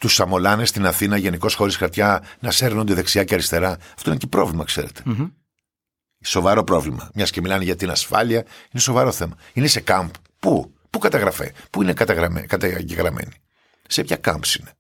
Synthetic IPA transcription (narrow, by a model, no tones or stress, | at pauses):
t̪usɐmo̞lɐnest̪inɐθinɐʝe̞niko̞sxo̞ɾisxɐɾt̪çɐnɐse̞ɾnond̪eðe̞ksiɐceɐɾist̪eɾɐɐft̪o̞inecipɾo̞vlimɐkse̞̰ɾe̞t̪e̥ | so̞vɐɾo̞pɾo̞vlimɐ̰mɲɐscemilɐneʝɐt̪inɐsfɐ̰liɐine̞so̞vɐɾo̞θe̞mɐinese̞kɐmp | pu | pukɐt̪ɐɣɾɐfḛpuinekɐt̪ɐɣɾɐmḛkɐt̪ɐɟeɣɾɐmḛni | sepçɐkɐmbsine